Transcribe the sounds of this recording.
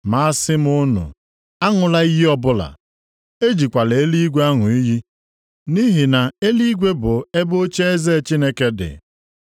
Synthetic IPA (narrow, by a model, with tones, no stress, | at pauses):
ma˨a˦sɪ˦m˦ʊ˦nʊ̰˨ | a˦ŋʊ˨la˦i˦ɦi˦ɔ˦bʊ˦la̰˨ | e˦d͡ʒi˨kʷa˨le˨e˦li˦ɡʷe˦a˦ŋʊ˨i˦ɦi˦ | ni˦ɦi˨na˨e˦li˦ɡʷe˦bʊ˨e˦bo˦t͡ʃe˦e˦ze˦t͡ʃi˦ne˦ke˨dɪ̰˨